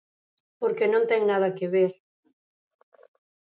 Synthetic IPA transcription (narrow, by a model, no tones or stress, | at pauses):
poɾkenõnt̪ɛŋnað̞ɐkeβeɾ